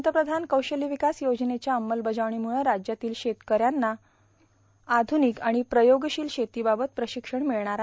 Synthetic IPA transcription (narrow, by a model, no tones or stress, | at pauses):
ət̪əpɾəd̪ʱankəwɕəliʋikasjod͡znet͡ɕjaəmːəlbəd͡zaʋɳ̃imuɭ̃əɾad͡ʑjat̪iːlɕet̪kəɾjanːa | ad̪ʱunikaɽ̃ipɾəjoɡɕiːlɕet̪iːbabət̪̚pɾəɕikʂəɳmiɭɳaɾa